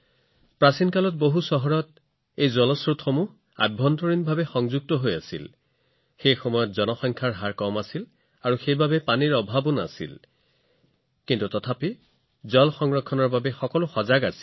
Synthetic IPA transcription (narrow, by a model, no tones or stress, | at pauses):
pɹasinkalɔt̚boɦusɔɦɔɹɔt | ejzɔlɔsɹutxɔmuɦ | a̰bʱɔntɔɹinbʱabɛxɔŋzuɡ̚tɔɦojasḭl | xejxɔmɔjɔtzɔnɔxɔŋkʰaɹɦaɹkɔmasil | aɹuxejbabɛpaniɹɔbʱabɔna̰sḭl | kintutɔtʰapi | zɔlxɔŋɹɔkʰːɔnɔɹbabɛxɔkɔlʊxɔzaɡasi̥